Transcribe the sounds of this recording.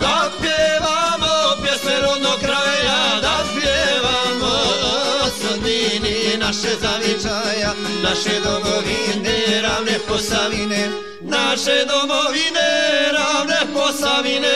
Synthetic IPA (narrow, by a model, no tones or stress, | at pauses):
d̪aspjeʋamopjesmeɾod̪nokɾajad̪apjeʋamo | sod̪mininaʃezaʋit͡ʃaja | naʃed̪omoʋineɾaʋneposaʋine | naʃed̪omoʋineɾaʋneposaʋine